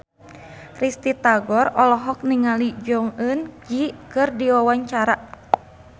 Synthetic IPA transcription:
rist̪it̪aɡɔrɔlɔɦɔk̚niŋalid͡ʒɔŋɨnd͡ʒikɨrdiwawaɲt͡ʃaɾa

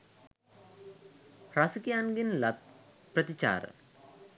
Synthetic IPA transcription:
ɾɐsikjaːnɡinlɐt̪̚ | pɾɐt̪it͡ɕa̰ːɾ̰

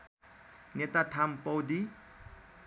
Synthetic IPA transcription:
net̪at̪ʰampʌwd̪i

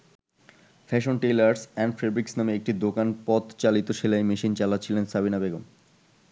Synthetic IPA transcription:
fʰɛʃonʈelaɾsɛɳɖfɾebɾiksnameek̚ʈid̪okanpɔd̪t͡ɕalit̪oʃelaemiʃint͡ɕalatːt͡ɕʰilensabinabeɡom

